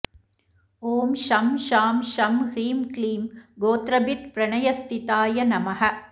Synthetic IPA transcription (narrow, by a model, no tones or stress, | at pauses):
oːmʃɐmʃaːmʃɐmhɾiːmkliːmɡoːt̪ɾɐbit̪pɾɐɳɐjɐst̪ʰit̪aːjɐnɐmɐɦɐ